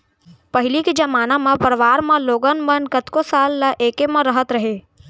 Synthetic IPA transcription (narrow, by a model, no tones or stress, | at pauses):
pəɦɪlikid͡ʒɐmaːnamãpəɾʋaːɾmãloːɡənmə̃nkət̪kosaːlːaʔeːkemãɾəɦət̪ɾɐɦeː